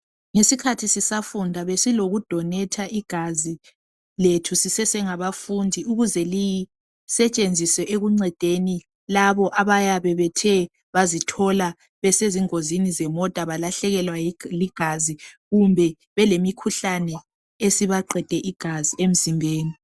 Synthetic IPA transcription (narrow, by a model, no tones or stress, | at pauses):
ŋesikʰatʰisisafundʱaβesiloɣud̥ʱɔnɛtʰaʔiɡ̥ʱazi | letʰusisɛsɛŋaβafundʱiuɣuzɛliji | sɛt͡ʃʼend͡zʱisɛʔeɣuŋ͡ǀɛd̥ʱeni | laβɔʔaβajaβɛβɛtʰɛ | βazitʰɔla | βɛseziŋozinizɛmɔtʼaβalaɬɛɣɛlwaliɡ̥ʱaziɣumbʱɛ | βɛlemikʰuɬanɛ | esiβaǃɛd̥ʱɛʔiɡ̥ʱaziem̩zimbʱeːni